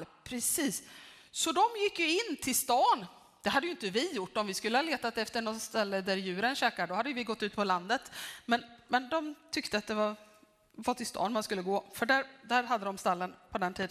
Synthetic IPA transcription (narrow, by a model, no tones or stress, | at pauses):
pʰɾɛsiːssɔd̪ɔmjɪkːjɵɪnːt̪ʰɪlst̪ɑːn | d̪̥ɛɦad̪ːəjʏɪnt̪əvɪjʊʈːɔmvɪskɵlːəhɑleːt̪at̪ɛft̪əɳɔt̪st̪ɛlːəd̪æɾjʉ̟ːɾənɕɛːkaɖɔhad̪ːəjəvɪɡɔt̪ːʉ̟ːt̪pʰɔland̪ət̪mɛnmɛnd̪ɔmt̪ʰʏkt̪əat̪̚d̪ɛva | vaʈʰɪlst̪ʰɑ̰ːnmanskɵlːəɡoːfœɖæɾd̪æɾɦad̪ːəd̪ɔmst̪alːənpʰɔd̪ɛnt̪ʰiːd̪ə